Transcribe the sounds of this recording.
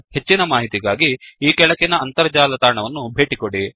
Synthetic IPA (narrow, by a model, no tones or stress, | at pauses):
he̞t͡ʃːinɐmaːɦit̪iɡaːɡiiːkɛɭɐkinɐːnt̪ɐɾɐd͡ʒaːlɐt̪aːɾɳɐʋɐnːubʱe̞ːʈikoɽi